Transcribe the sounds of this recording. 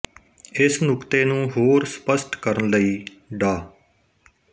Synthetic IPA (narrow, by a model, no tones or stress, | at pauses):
ɪsnʊkt̪eːnũːɦoːɾspəsʈkəɾənləiː | ɖaː